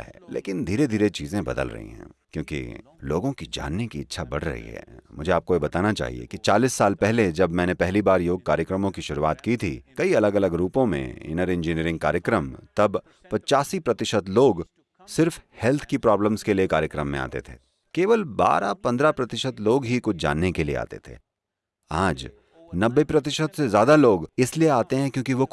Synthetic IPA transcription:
ɦɛːlḛːkɪnd̪ʱiːɾed̪ʱiːɾet͡ʃiːzẽbɐ̰d̪ə̰lɾɐ̰ɦḭ̃ɦɛ̰̃ːkjõːkḭ | loːɡõkid͡ʒa̰ːnːekiɪtːʃʰabɐɽ̤ɾɐ̰ɦḭɦɛ̰ːmʊd͡ʒʱeaːp̚kojebɐt̪aːnat͡ʃa̰ːɦḭḛkit͡ʃaːliːsːaːlpɛɦled͡ʒɐbmɛ̃ːnepɛɦlibaːɾjoːɡ̚kaːɾjəkɾəmõkiʃʊɾuaːt̪kit̪ʰḭkɐiɐləɡɐləɡɾuːpõmḛ̃ɪ̰nəɾɪ̃nd͡ʒiniəɾɪ̃ŋɡ̚ka̰ːɾjəkɾəmt̪ɐb | pɐt͡ʃaːsipɾɐt̪ɪʃət̪loːɡ | sɪɾfhɛlt̪ʰkipɾɔːbləmskeliekaːɾjəkɾəmːẽa̰ːt̪ḛt̪ʰḛː | keːʋəlba̰ːɾapɐ̃nd̪ɾapɾɐt̪ɪʃət̪loːɡɦikʊt͡ʃʰd͡ʒa̰ːnːekelḭḛa̰ːt̪ḛt̪ʰḛː | aːd͡ʒ | nɐbːepɾɐt̪ɪʃət̪sezjaːd̪aloːɡɪslieaːt̪eɦɛ̃kjõːkiʋo

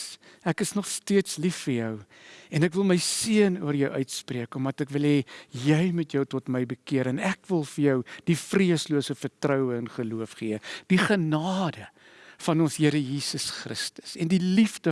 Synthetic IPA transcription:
ækəsnɔχstiətslifːərjœw | ɛnækvəlˠməjsiənṵərjəwʔœɥtspriəkɔmɐtækvəlˠɦeːjɛjmutjəwtɔtməjbəkiəɾənækvəlˠfərjœwd̥ifriəsluəsəfərtrœwəənχəluəfχiəd̥iχənɑːdə | fɐnɔnsɦiəɾəjiːsəsχrəstə̥sɛndilifdə

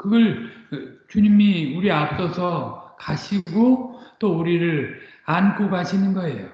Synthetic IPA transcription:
kɯɡʌɭ | t͡ɕuɲimiuɾiap̚s͈ʌsʰʌkaɕʰiɡot͈ouɾiɾɯɾ | ankʰokaɕʰinɯnɡʌe̞jo

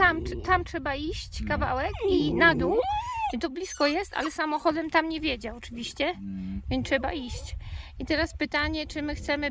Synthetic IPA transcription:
amt̪amtʂɛbaiɕt͡ɕkava̰wɛkinad̪uwt̪ɔblʲiskɔjɛst̪a̰lɛsamɔxɔd̪ɛmt̪amɲevʲjɛd͡ʑaɔt͡ʂɘvʲiɕt͡ɕɛvʲɛntʂɛba̰iɕt͡ɕit̪ɛɾaspɘt̪aɲɛt͡ʂɘmɘxt̪sɛmɘ

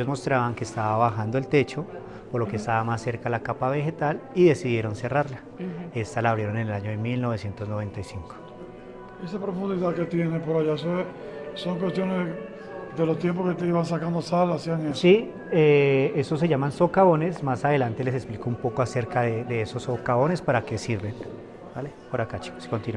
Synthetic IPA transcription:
eozmo̞st̪ɾaβaŋke̞ːst̪aβaβaxand̪oe̞lt̪e̞t͡ʃo̞ | poɾlo̞kest̪aβamasːe̞ɾkalakapaβe̞xe̞t̪aliðe̞siðje̞ɾo̞nse̞raɾla | e̞st̪alaβɾje̞ɾo̞ne̞nelaɲoðemilnoβe̞sje̞nt̪ozno̞βe̞nt̪ajsiŋko̥ | esapɾofund̪iðaket̪jenepoɾajaesoesoŋk̬west̪jo̞ne | d̪elost̪jemposket̪eiβansakand̪osalasjanasi | ee̞so̞s̬e̞ʝamanso̞kaβo̞nesmasaðe̞lant̪e̞le̞s̬e̞ksplikoumpo̞ko̞aseɾkaðeðe̞eso̞sːokaβo̞ne̞spaɾake̞siɾbe̞n | balepo̞ɾakat͡ʃi̥kskont̪in

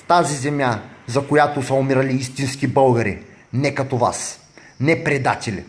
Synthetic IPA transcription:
t̪azizɛmjazɐkojat̪osɐomiɾɐliist̪inskibɤlˠɡɐɾḭ | nɛkɐt̪ova̰s | nɛpɾɛd̪at̪ʲɛlʲḭ

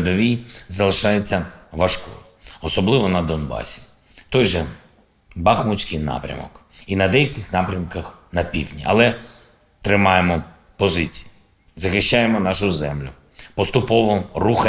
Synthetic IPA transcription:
d̪ɔʋʲizɐlˠɪʃɑjet͡sʲːɐʋɐʃkɔ̰ | ɔsɔblˠɪʋɔnɐd̪ɔnbɑ̰sʲi̥ | t̪ɔjʒɛ | bɑxmʊsʲkɪjnɑ̰pɾʲɐ̰mɔ̰kinɐd̪ɛjɐkɪxnɑpɾʲɐmkɐxnɐpʲḭwdʲnʲḭɐ̰lˠɛ | t̪ɾɪmɑjemɔ | pɔzɪt͡sʲi̥ji | zɐxɪʃt͡ʃajemɔnɑʃʊzɛmlʲʊ | pɔst̪ʊpɔʋɔrux

